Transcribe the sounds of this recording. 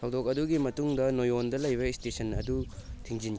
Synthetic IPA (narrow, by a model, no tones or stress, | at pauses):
ɐwdok̚ɐduɡimɐtuŋdɐnojondɐlɐjβɐistesʰɐnɐ̰dutʰiŋzin